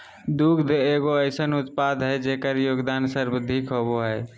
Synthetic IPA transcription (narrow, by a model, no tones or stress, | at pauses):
d̪uɡd̪eɡoəɪsənut̪pad̪ʱɦəjd͡ʒekəɾjoɡd̪ansəɾbd̪ʱikʰɦoboɦəj